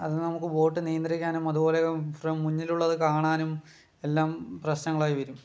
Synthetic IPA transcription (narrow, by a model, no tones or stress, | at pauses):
ɐðɨnɐmukːɨʋo̞ːʈːɨnijɐnd̪rikʲːaːnumɐðubo̞ːlefrɐmmːuɲːiluɭːɐðɨkaːɳaːnum | e̞lːaːmprɐɕnɐŋːɐɭaːjiʋɐɾum